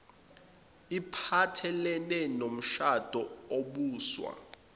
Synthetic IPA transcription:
ipʰatʰɛlɛnɛnom̩ʃad̥ʱɔoɓuːswa̰

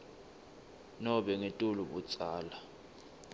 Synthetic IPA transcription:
nɔɓɛŋetʼuluɓut͡sʼaːla

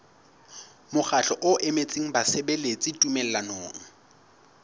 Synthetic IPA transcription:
mʊχaɬɔʔʊʔemet͡sʼiŋ̩basebelet͡sʼɪtʼumɛl̩lanoːŋ̩

